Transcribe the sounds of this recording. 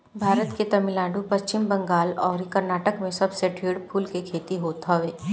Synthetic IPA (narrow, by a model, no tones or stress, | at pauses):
bʱaːɾət̪ket̪ɐmɪlãːɳɖupɐst͡ʃɪmbɐ̃ŋɡaːlɔːɾkɐɾnaːʈəkmẽsɐbseɖʰʱiːɽpʰuːlkekʰeːt̪iɦoːt̪ɦaʋeː